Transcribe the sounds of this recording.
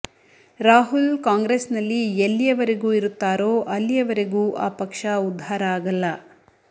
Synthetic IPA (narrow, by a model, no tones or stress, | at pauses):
ɾaːɦulkaːŋɡɾesnɐlːielːijɐʋɐɾeɡuːiɾut̪ːaːɾoːʔɐlːijɐʋɐɾeɡuːʔaːpɐkʂɐud̪ʱːaːɾɐaːɡɐlːɐ